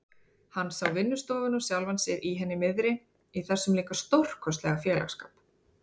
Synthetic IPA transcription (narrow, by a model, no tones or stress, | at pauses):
hanːsawvɪnːʏst̪ɔːvʏnʏsjawlvansɪɾʔiɦɛnːɪmɪðɾɪ | iθɛsːʏmliːkast̪owr̥kʰɔst̪lɛɣafjɛːla̰xska̰ːp